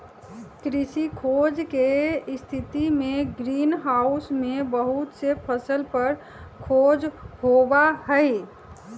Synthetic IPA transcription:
kɾisikʰod͡ʒkest̪ʰit̪imeɡɾinɦausmebəɦut̪sepʰəsəlpəɾ | kʰod͡ʒhobaɦəɪ

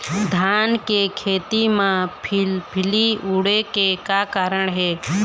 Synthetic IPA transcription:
d̪ʱaːnkekʰeːt̪imãpʰɪpʰɪliuːɽekekakaːɾəɳɦɛː

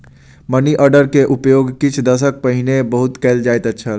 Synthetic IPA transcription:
məniʔəɾɖəɾkeʔupjoɡkit͡ʃʰd̪əs̬ək̚pəɦinebəɦut̪kɛld͡ʒaet̪ətːʃʰəl

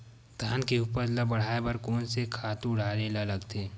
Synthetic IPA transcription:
d̪ʱaːnkeupəɾlɐbɐɽ̤aːebɐɾkoːnsekʰaːt̪ũʊɽ̤aːlelalɐɡt̪ʰeː

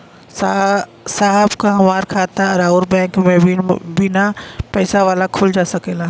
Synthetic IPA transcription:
saːɦəbkʰãʋaːɾkʰaːt̪aɐɾaʊɾbɛ̃ːŋkmẽbɪnapɛːsaʋaːlakʰʊld͡ʒaːsɐkʰeːlaː

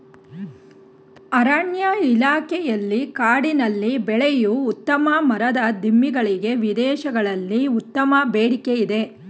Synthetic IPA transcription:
ɐɾaːɳjailaːkɛjɐlːikaːɽinɐlːibɛɭejuːt̪ːɐmɐmɐɾɐd̪ɐd̪ʱimːiɡɐɭiɡe̞ʋid̪ɛːʃɐɡɐɭɐlːiut̪ːɐmɐbeːɽikeid̪e̞

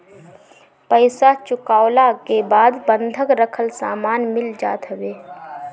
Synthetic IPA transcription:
pəɪsat͡ʃʊkaːlakebaːd̪bə̃nd̪ʱəkɾəkʰəlsaːmaːnmɪld͡ʒa̰ːt̪ɦəʋeː

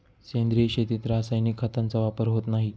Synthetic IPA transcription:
send̪ɾiɕet̪it̪ɾasajnikʰːat̪ant͡saʋapəɾɦot̪naɦi

